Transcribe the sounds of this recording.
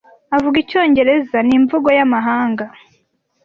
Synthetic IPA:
avuɡico̞ːɲɟe̞ɾe̞zaniɱvuɡo̞jamaɦaːŋɡa

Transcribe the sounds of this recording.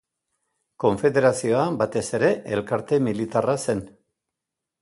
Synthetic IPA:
ko̞ɱfe̞ðe̞ɾasio̞abat̪e̞se̞ɾe̞ʔelkaɾt̪e̞milit̪arase̞n

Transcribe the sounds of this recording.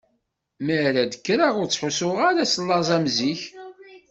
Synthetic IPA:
məɾæd̪əkːɾaʁʊɾt͡sːħusʊʁaɾæsəlːɑzˤæmziç

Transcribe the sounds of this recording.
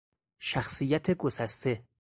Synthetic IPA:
ʃæxsijæt̪ʰeɡosæst̪ʰe̞

